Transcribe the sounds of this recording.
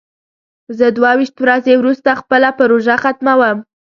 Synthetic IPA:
zəd̪wawiʃt̪wɾazewɾust̪axpəlapaɾoʒaxat̪mawəm

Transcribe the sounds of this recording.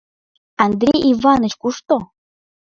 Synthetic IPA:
ɑnd̪ɾʲejʔivɑnə̆t͡ɕkuʃt̪o

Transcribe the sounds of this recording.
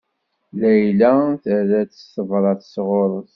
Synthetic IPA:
læjlæθəðæt͡sːə̥səvɾˤɑθəsʁoɾˤəθ

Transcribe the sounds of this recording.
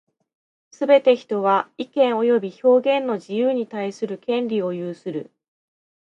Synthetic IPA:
sɨbe̞t̪e̞çi̥t̪o̞βaikẽ̞ɰ̃o̞jo̞bʲiço̞ːɡẽ̞nːo̞ʑijɯːɲ̟it̪aisɨɾɯ̟kẽ̞nɾʲio̞jɯːsɨɾɯ̟

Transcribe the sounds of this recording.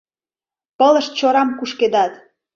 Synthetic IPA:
pələʃt̪t͡ɕoɾɑmkuʃked̪ɑt̪

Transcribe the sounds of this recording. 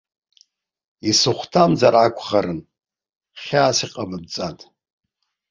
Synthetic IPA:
isɨχʷtʰamzaɾakʷʰʼχaɾɨn | χʲaːsiqʼabɨd̚t͡sʼatʼ

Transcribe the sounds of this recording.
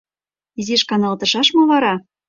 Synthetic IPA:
izeʃkɑnɑlˠt̪ɤ̆ʃɑʃmɤ̆βɑɾɑ

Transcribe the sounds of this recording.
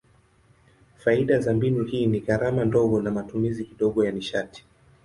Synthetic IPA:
faiɗazambinuhiːniɣaɾamandɔɡɔnamatumizikiɗɔɠɔjaniʃati̥

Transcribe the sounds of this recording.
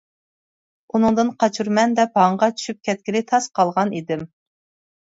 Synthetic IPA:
unɨŋd̪ɨnqɑt͡ʃʰuɾmɛnd̪ɛpɑɴʁɑt͡ʃʰy̥ʃyp̚kʲʰɛt̪̚kʲilɪt̪ʰɑsqɑlˠʁɑnid̪ɪm

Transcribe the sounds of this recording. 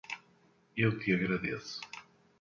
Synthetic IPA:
ewt̪iɐɣɾɐðesʊ̥

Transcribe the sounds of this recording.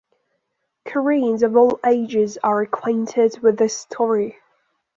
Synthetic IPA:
kʰəɹiːnzəvɔːleɪd͡ʒɪzəɹəkʰw̥ẽɪ̃ntʰɪdwɪðəstʰɔːɹi

